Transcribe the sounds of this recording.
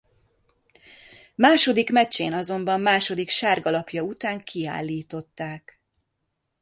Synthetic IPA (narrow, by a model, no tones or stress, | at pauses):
maːʃo̞d̪ikmɛt͡ʃːḛːnɒzo̞mbɒmːaːʃo̞d̪ikʃaːrɡɒlɒpjɒut̪aːŋkʰia̰ːlːiːt̪o̞t̪ːaːk